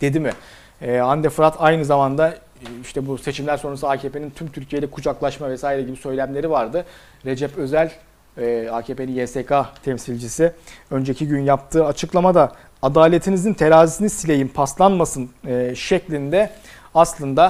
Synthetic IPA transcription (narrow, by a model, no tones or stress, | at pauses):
d̪̥e̞d̪imɪ | ɛand̪ɛfɾat̪ʰajnɯzamand̪a | iʃt̪ʰɛbuse̞t͡ʃʰimlʲæɾso̞nɾasuaːcʰeːpʰenint̪ʰymt̪ʰyɾcʰije̞lʲɛkʰud͡ʒaklˠaʃmavɛsaːjiɾɛɟibisø̞jlʲæmlʲe̞ɾivaɾd̪ɯ | ɾe̞d͡ʒɛpø̞zælʲː | aːcʰepʰe̞ninjeːsekʰat̪ʰɛmsilʲd͡ʒisɪø̞nd͡ʒecʰiɟynjap̚t̪ʰɯːat͡ʃʰɯklˠamad̪aː | d̪aːlʲe̞t̪ʰinizint̪ʰe̞ɾaːzisinisilʲe̞jimpʰaslˠanmasɯnːʃɛclʲind̪ɛ | aslˠɯnd̪a